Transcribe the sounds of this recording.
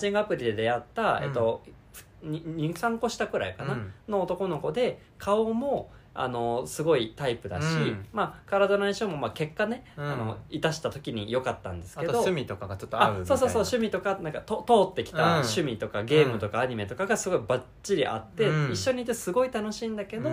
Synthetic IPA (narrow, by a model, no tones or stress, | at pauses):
d͡ʑĩŋɡɯapɯ̟ɾʲid̪e̞d̪e̞at̪ːae̞̰t̪ːo̞̥ | ɲɲĩŋkãŋko̞ɕi̥t̪akɯ̟ɾa̰ikanano̞ːt̪o̞ko̞no̞ko̞d̪e̞ | kʰaomo̞ | a̰no̞sɨɡo̞it̪aipɯ̟d̪a̰ɕimaːkaɾad̪o̞naĩɕomo̞make̞kːane̞ano̞it̪aɕi̥t̪at̪o̞kʲiɲ̟ijo̞kat̪ːã̰nd̪e̞sɨ̥ke̞d̪o̞mʲit̪okaɡat͡ɕot̪ːoaɯso̞ːsoːsoːɕɨmʲit̪o̞kanãŋkat̪ot̪o̞ːt̪ːe̞kʲi̥t̪aɕɨmʲit̪o̞kaɡe̞ːmɯ̟t̪o̞kaːɲ̟ime̞t̪o̞kaɡasɨɡo̞ibat͡ɕːiɾʲiʔa̰t̪ːe̞iɕːo̞ɲ̟iːt̪ːesɨɡo̞it̪anoɕĩːnd̪ake̞d̪o̞